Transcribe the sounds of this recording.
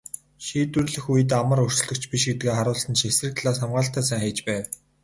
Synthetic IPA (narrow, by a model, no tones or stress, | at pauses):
ʃiːt̪wɘ̆rɮɘ̆xujɘ̆t̪̬amə̆rɵr̥t͡ɕɮɵ̆kt͡ɕʰpiʃɡet̪ɡeːχaɾʊːɮsə̆nʃesrɘ̆k̚t̪ʰaɮaːsamɢaːɬt̪æːsæːŋχiːt͡ɕpæːw